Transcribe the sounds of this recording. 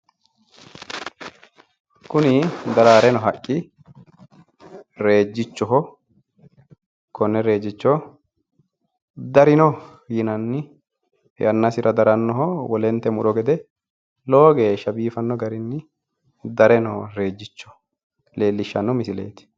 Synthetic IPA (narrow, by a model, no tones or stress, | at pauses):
kʊnɪd̪ɐɾaːɾɛnɔɦɐkʼːɪ | ɾe̞ːd͡ʒːɪt͡ʃːɔɦɔ | kɔnːɛɾe̞ːd͡ʒːɪt͡ʃːɔ | d̪ɐɾɪnɔ | jɪnɐnːɪ | jɐnːɐsɪɾʔɐd̪ɐɾɐnːɔɦɔwɔlɛnt̪ːɛmʊᶑɔɡɛd̪ɛ | loːɡeːʃɐbiːfɐnːɔɡɐɾɪnːɪ | d̪ɐɾɛnɔɾe̞ːd͡ʒːɪt͡ʃːɔ̥ | le̞ːlːɪʃːɐnːɔmɪsɪlḛːt̪ɪ̥